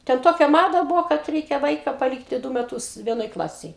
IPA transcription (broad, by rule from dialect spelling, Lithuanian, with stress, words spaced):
tʲɛn ˈtoːkʲɛ ˈmɑːdɐ ˈbʊʋoː kɐt ˈrʲɛɪkʲɛ ˈʋɐɪkɐ pɐˈlʲiːktʲɪ ˈdʊ mʲɛˈtʊs ˈʋʲiɛnoːj ˈklˠɑːsʲeːj